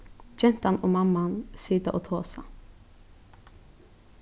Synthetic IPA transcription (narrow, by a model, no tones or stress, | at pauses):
c͡çɛnt̪ɑnʔoːmɑmɑnsyːd̪əʔoːt̪ʰoːsɑ̰